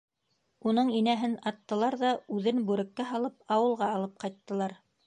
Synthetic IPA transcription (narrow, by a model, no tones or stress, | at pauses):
unɤɴinæɦɘnɑt̪ːɤ̆lˠɑɾðɑʉðɘnbʉɾɘ̆kːæɦɑlˠɤp̚ɑwɤ̆lˠʁɑːlˠɤp̚qɑjt̪ːɤ̆lˠɑɾ